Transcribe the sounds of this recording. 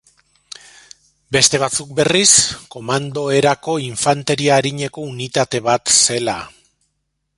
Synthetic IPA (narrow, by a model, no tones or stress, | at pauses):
be̞st̪e̞β̞at͡suk̚be̞risko̞mand̪o̞e̞ɾako̞iɱfant̪e̞ɾiaːɾiɲe̞ko̞unit̪at̪e̞βat̪se̞la